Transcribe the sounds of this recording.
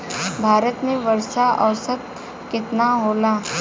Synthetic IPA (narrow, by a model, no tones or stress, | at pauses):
bʱaːɾət̪mẽʋəɾʃaʔɐʋsət̪̚ | kɪt̪naɦoːlaː